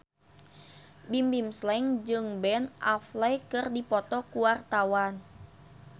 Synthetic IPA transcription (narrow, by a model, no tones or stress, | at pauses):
bimbimslɛŋd͡ʒɨŋbɛnʔa̰flɛjkɨrdipɔt̪ɔkuwart̪awan